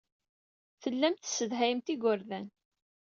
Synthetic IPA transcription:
θəlːæmt̪səðɦæjəmt̪iɡʊɾðæn

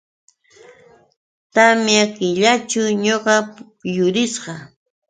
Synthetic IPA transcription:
t̪amjakɪʎat͡ʃʊɲoɢɑ | jʊɾɪsɢɑ

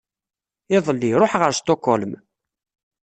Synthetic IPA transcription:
ɪðˤəlːiɾˤoħʁəɾst̪okɔlm

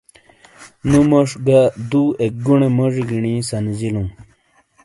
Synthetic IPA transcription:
numoʂɡad̪uek̚ɡuɳemoʐiɡiɳĩsɐnzilũm

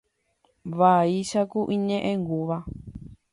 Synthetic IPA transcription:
βaiʃakuʔiɲẽʔẽŋɡuβa

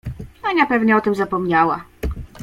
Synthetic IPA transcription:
aɲʲapɛvɲɛɔt̪ɘmzapɔmɲawa̰

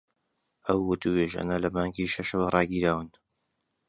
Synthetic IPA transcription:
ʔɐwːʊt̪ʰuweːʒɐ̰nɐlɐmaːŋɡiːʃɐʃəwɐrˤɑːɡiːɾaːwɨn

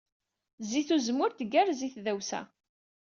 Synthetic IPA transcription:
ziθuzmʊɾt̪ɡæɾziθðæwsæ̰

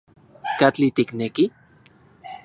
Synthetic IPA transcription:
kat͡ɬit̪ikneki

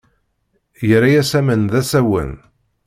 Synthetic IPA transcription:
jəɾajæsæmənðæsæwə̰n

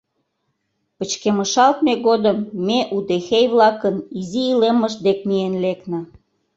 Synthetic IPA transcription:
pət͡ɕkemə̆ʃɑlt̪̚meɣod̪əmːeʔud̪exejβlɑkəniziːleməʃd̪ek̚mienleknə̆

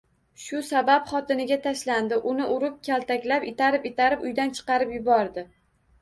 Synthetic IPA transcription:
ʃʊsabapχɒt̪ɪnɪɡʲat̪ʰaʃland̪ɪʔʊnɪʔʊɾɪp̚kʲʰalt̪ʰakʲlapɪt̪ʰaɾɪpɪt̪ʰaɾɪpʊjd̪ant͡ʃʰɨ̥qɑɾɪpjʊbɒɾd̪ɪ

